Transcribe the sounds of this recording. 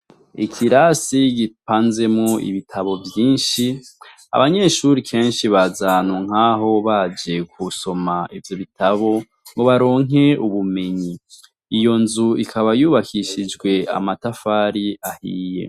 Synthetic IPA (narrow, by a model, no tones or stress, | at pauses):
ikʰiɾasiɡipaːnze̞moḭβitʰaβo̞vjiːnʃi | a̰βaɲe̞ʃuɾikʰe̞ːnʃiβazanuŋ̥aːɦo̞βad͡ʒe̞kʰuso̞maʔivjo̞βitaβo̞ | ŋɡoβaɾo̞ːŋe̞uβume̞ɲi | ijo̞nzuikʰaβajuːβakʰiʃid͡ʒɡwe̞a̰matafaɾiahḭːje̞̰